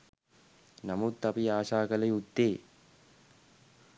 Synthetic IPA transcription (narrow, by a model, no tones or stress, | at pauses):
namut̪ːapiaːʃaːkələjud̪ːeː